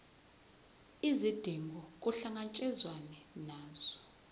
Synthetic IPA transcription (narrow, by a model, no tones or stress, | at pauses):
izid̥ʱiŋɡʱɔk̬ʼuɬaŋat͡ʃʼɛzwanɛnaːz̥ɔ